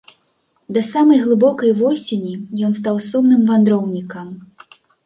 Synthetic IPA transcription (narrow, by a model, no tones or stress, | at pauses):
d̪ɐsamɐjɣlˠɨbɔkɐjvɔsʲenʲijɔnst̪awsɔmnɨmvand̪ɾɔwnʲikɐm